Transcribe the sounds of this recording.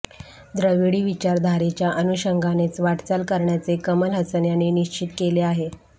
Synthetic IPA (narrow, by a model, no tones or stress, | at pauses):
d̪ɾəʋiɽiːʋit͡ɕaɾd̪ʱaɾet͡ɕjaʔənuɕəŋɡʱanet͡sʋaʈt͡salkəɾɳjat͡sekəməlɦəsənjaneniɕt͡ɕit̪keleaɦe